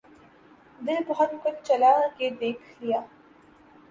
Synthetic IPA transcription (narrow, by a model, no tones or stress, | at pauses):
d̪ɪlpɔɦɔt̪kʊnt͡ʃɐlaked̪eːkʰlijaː